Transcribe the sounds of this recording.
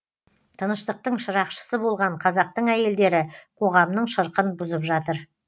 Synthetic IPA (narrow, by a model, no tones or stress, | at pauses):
t̪ʰənəʃt̪əq̚t̪əɴʃəɾɑqʃə̥səbo̞lˠʁɑɴqʰɑzɑq̚t̪əɴæje̞ld̪e̞ɾɪqʰo̞ʁɑmnəɴʃəɾqənbʊzəpʒɑt̪əɾ